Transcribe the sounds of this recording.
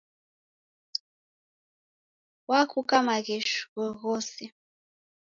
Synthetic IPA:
wakukamaɣɛʃɣɔɣɔsi

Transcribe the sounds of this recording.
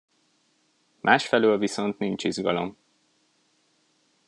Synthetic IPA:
mʔaːʃfɛløːlviso̞nt̪nint͡ʃizɡɒ̰lo̞̰m

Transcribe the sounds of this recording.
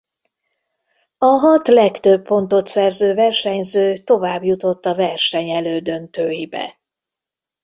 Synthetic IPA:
ɒɦɒt̪lɛkt̪ø̞bːo̞nt̪o̞t̪sɛrzøːvɛrʃɛɲzøːt̪o̞vaːbjut̪o̞t̪ːɒvɛrʃɛɲɛløːd̪ø̞nt̪øːjibɛ̰

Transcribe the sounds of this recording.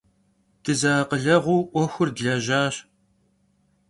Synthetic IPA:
d̥ʰɨzaːqəɮɐʁʷuːʔʷɔxʷʊrdɮɐʒaːɕ

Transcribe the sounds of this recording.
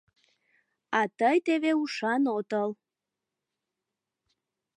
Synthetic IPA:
ɑt̪əjt̪eβeuʃɑnot̪əl

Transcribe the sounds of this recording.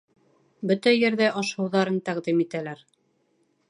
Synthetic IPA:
bɵt̪æjɘ̆ɾðæʔɑʃɤ̆wðɑɾɤnt̪æqd̪imit̪ælæɾ

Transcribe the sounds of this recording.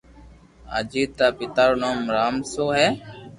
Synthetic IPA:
a̰ːd͡ʒiːt̪aːpɪt̪aːɾnoːmɾaːmsoːɦɛː

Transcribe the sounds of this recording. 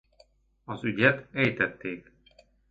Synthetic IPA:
ɒzyɟɛt̪ɛjt̪ɛt̪ːeːk

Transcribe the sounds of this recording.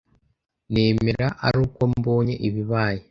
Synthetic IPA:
neːmiɾaʔa̰ɾuːkomboːɲḛʔiβiβaːje

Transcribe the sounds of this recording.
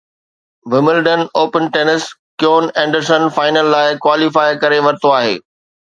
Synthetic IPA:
ʋɪmɪlɖənoːpənʈeːnɪskjoːnɛ̃ːɳɖəɾsənfaːɪnəlːaːɪkwaːlifaːɪkɐɾeʋɐɾɪt̪oaːɦḛː

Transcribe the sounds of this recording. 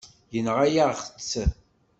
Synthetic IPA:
jənʁajaʁχət͡sː

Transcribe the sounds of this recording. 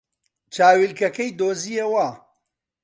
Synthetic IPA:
t͡ʃaːwilkɐkɐjd̪oːzijewaː

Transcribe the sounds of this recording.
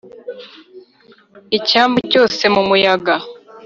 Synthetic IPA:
icaːmbuco̞ːse̞mumujaɡa

